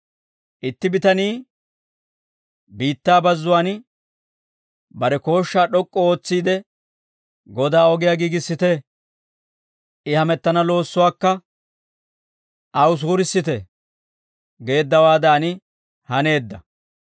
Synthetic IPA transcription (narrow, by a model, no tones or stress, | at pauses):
ʔɪt̪ːɪbɪt̪ɐniː | biːt̪ːaːbɐzːʊwaːn | bɐɾɛko̞ːʃːaːɗɔkʼːɔo̞ːt͡sːiːd̪ɛ | ɡɔd̪aːɔɡɪjaːɡiːɡɪsːɪt̪ɛ | ʔɪhɐmɛt̪ːɐnɐlo̞ːsːʊwaːkːɐ | ʔɐwʊs̬uːɾɪsːɪt̪ɛ | ɡe̞ːd̪ːɐwaːd̪aːnɪ | hɐne̞ːd̪ːɐ